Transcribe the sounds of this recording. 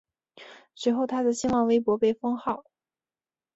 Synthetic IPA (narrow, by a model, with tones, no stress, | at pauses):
swe˧˥xo˥˩ʊt̪ʰa˥d̪ə˨ɕi˥nwɑ˥˩ŋwe˥ɪpwɔ˧˥pe˥˩ɪfɤ˥ŋxɑ˥˩ʊ